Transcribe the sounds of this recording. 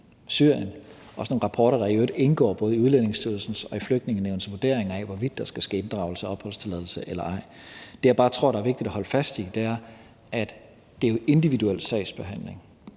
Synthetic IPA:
sy̰ɐ̰jən | ɒ̽sno̝ːnʁɑ̈pʰɒːɾɐɾ̥ɑ̈iøde̝nɡ̥ɒ̰ːb̥ɔ̽ːðˠiuð̞ˠlen̰e̝ŋsdʰyɐl̩sn̩sɒ̽ifløɡ̥̚d̥ne̝ŋn̩ːeʊnəsʋuɐd̥e̝ɐ̰eŋɐæʋɒʋid̥ːɑ̈sɡ̥æsɡ̥ḛːend̥ʁɑ̈ʊl̩səɒɒ̽b̥hɒ̽l̰st͡sʰe̝lɛð̞ˠl̩səʔelɐɑ̈ɪ̰ | d̥e̝jɑ̈b̥ɑ̈ːt͡sʰʁo̝ɐ̰ɾ̥ɑæɐʋe̝ɡ̥̚d̥id̥æhɒ̽ləfæsd̥id̥eæɐ | æd̥ | d̥e̝oe̝nd̥iʋiduel̰̥sɛ̰ɪ̰sb̥e̝ɦæn̰le̝ŋ

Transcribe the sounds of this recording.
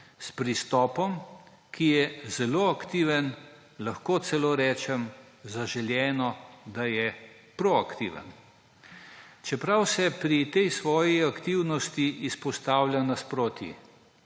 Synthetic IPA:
spɾist̪ɔːpɔm | kʰijɛzɛloːakt̪iːʋən | laxkoːt̪sɛloːɾɛːt͡ʃɛm | zaʒɛljɛːnɔd̪ajɛ | pɾoakt̪ḭːʋə̰n | t͡ʃɛpɾawsɛpɾit̪ɛjsʋɔːjiakt̪iwnɔst̪iʔispɔst̪aːwlʲjʲanaspɾoːt̪jḭ

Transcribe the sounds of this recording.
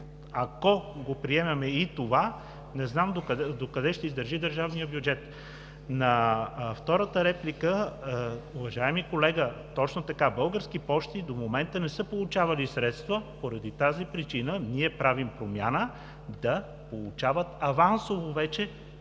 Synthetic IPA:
akoɡopɾiɛmɛmɛit̪ova | nɛznamd̪od̪okɐd̪ɛʃt̪ɛizd̪əɾʒid̪əɾʒavnijəbjud͡ʒɛt̪ | nɐft̪ɔɾət̪əɾɛplikə | uvɐʒaɛmikolɛɡət̪ɔt͡ʃnot̪ɐkabɤlˠɡəɾskipɔʃt̪id̪omomɛnt̪ənɛsəpolˠut͡ʃavɐlisɾɛt̪st̪vəpoɾɐd̪it̪azipɾit͡ʃinəniɛpɾavimpɾomjanə | d̪ɐ | polˠut͡ʃavət̪ɐvansovovɛt͡ʃɛ

